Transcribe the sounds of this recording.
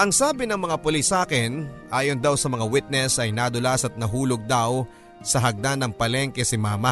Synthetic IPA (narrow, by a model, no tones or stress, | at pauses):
ʔɐŋsaːbɪnɐŋmɐŋapolisːaːkɪnʔaːjond̪awsɐmɐŋawɪt̪̚nɛsɐjnad̪ʊlasɐt̪̚nɐɦuːloɡ̚d̪aw | sɐɦɐɡ̚d̪anːɐŋpɐlɛŋkɛsɪmaːmɐ